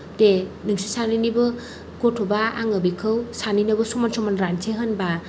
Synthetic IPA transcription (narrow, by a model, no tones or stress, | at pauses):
d̥enɯŋsisaninibɯ | ɡ̥otʰobaa̰ŋɯbikʰɯwsaninɯbɯsomansɔmanɾansʰeɦɯnba